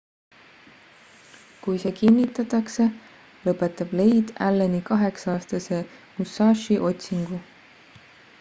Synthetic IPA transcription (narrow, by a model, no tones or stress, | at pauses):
kujse̞ːkinːit̪ːˑɑt̪ːˑɑkse̞ | lɤpːˑe̞t̪ːˑɑb̥le̞jd̪̥ælːenikɑɦe̞ksɑːst̪ɑse̞must̪ɑːʃiʔo̞t̪ʲsiŋɡ̥u